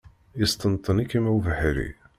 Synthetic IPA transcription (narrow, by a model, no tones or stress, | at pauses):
ist̪ənt̪ˤːənikimæwvəħɾḭ